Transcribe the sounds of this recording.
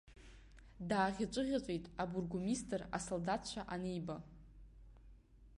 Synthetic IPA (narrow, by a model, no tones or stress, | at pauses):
daːʁʲat͡ʃʷʼɨʁʲat͡ɕʷʼejtʼaburɡumistʰʼɨra̰soldatʰt͡ʃʷʰaʔanejba